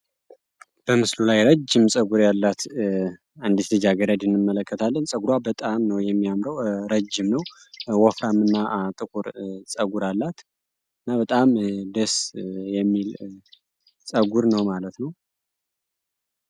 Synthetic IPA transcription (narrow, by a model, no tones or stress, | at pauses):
b̥əmɨslulajɾəd͡ʒːɪmsʼəɡuɾjalːat̪ | and̪it̪lɨd͡ʒaɡəɾəd̪ɨnːɨmːələkːət̪ʰalːənsʼəɡuɾwabət̪ʼamnəwjɛmːijamɾəwɾəd͡ʒːɪmnəw | wɔfɾamːɨnːat̪ʼɨkʼuɾsʼəɡuɾalːat̪ | ɨnːabət̪ʼamd̪əsjɛmːil | sʼəɡuɾnəwmalət̪nəw